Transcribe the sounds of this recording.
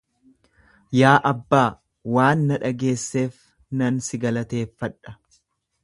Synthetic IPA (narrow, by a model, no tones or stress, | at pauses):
jaːʔɐbːaː | waːnːɐᶑɐɡe̞ːsːe̞ːf | nɐnsɪɡɐlɐt̪e̞ːfːɐᶑːɐ̥